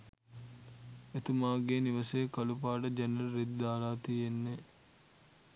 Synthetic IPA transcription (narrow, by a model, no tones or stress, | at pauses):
et̪umaːɡeːniʋɐseːkɐlupaːʈəd͡ʒɐnɐlɾed̪d̪aːɾaːt̪ienːe